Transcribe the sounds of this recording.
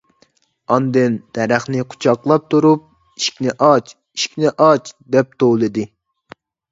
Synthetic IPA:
ɑnd̪ɨnd̪̥ɛɾæχnɪqʰu̥t͡ʃʰɑqlˠɑp̚t̪ʰuɾup̚ | i̥ʃkʲnɪʔɑt͡ʃ | iʃkʲnɪʔɑt͡ʃd̪ɛp̚t̪ʰolˠɨd̪ɨ

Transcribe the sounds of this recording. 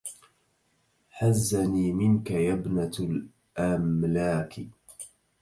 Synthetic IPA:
ħazːaniːmɪnkajabnal | ʔamlaːk

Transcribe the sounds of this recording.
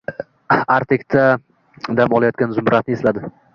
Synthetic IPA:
aɾt̪ʰekʲt̪ʰa | d̪amɒlˠajɒt̪kʲanzʊmɾat̪nɪeslad̪ɪ

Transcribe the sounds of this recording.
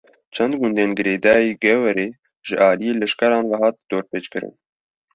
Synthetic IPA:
t͡ʃʰɛnd̪ɡʊnd̪eːnɡɨɾeːd̪ɑːjeːɡɛwɛɾeː | ʒɨʔɑːlijeːlɛʃkɛɾɑːnwaɦɑːt̪̚d̪̥oːɾpeːt͡ʃkɨɾɨ̰n

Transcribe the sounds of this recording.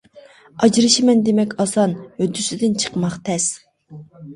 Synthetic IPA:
ɑd͡ʒɾɨʃimɛnd̪emɛkʲɑsɑnhød̪ysyd̪ɪnt͡ʃʰə̥qmɑχt̪ʰɛs

